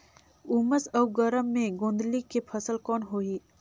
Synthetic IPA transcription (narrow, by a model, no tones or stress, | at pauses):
uməsɐwɡəɾəmːẽɡõːnd̪likepʰəsəlkɔːnɦoːiː